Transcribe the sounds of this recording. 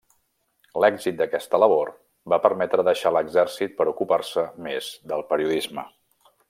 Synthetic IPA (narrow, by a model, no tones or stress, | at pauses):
lɛɡzit̪̚d̪əkɛst̪ələβ̞or | bapəɾmɛt̪ɾəðəʃaləɡzɛrsit̪̚pəɾukuparsəmez̥d̪əlˠpəɾiuðizmə